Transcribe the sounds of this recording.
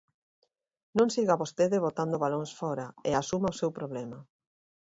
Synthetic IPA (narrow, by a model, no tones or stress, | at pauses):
nõŋsiɣaβost̪eðɪβot̪and̪ʊβaloŋsfɔɾaeasumaosewpɾoβlɛma